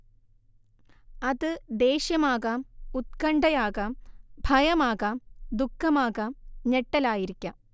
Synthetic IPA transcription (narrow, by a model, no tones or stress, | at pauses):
ɐðɨd̪e̞ːɕjɐmaːɣamut̪̚kɐɳɖɐjaːɣɐmbʱɐjɐmaːɣaːd̪ukʰːɐmaːɣaːmɲeʈːɐlaːjiɾikʲːɐ